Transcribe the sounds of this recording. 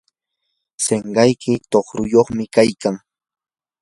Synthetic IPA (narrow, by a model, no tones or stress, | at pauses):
seŋɢɑjkʰɪt̪oχɾʊjoχmɪkajkaŋ